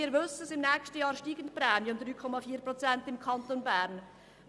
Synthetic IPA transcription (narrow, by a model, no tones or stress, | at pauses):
iːʋʏsəəsɪmnɛːkstəjɑːɾʃtiːɡən̩tprɛːmjəʊmd̪ɾyːkʰɔmɑfiːprot͡sɛntɪmkʰɑntonbæːɾn